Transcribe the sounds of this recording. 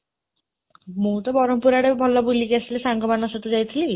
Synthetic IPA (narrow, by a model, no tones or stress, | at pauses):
mũt̪ɔbɔɾompuɾaɽebʱɔlːɔbulikeasilesaŋɡɔmanɔsɔt̪ud͡ʑajt̪ʰili